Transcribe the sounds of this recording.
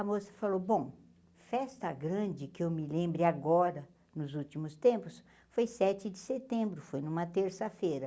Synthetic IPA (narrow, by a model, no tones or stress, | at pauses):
ɐmosɐ̥falowbõ | fɛst̪ɐɡɾɐ̃d͡ʒɪkɪewmɪlẽmbɾɪaɡɔɾɐ | nʊzut͡ʃimʊst̪ẽmpʊs | fojsɛt͡ʃɪd͡ʒɪset̪ẽmbɾʊfojnũmɐt̪eɾsɐfejɾɐ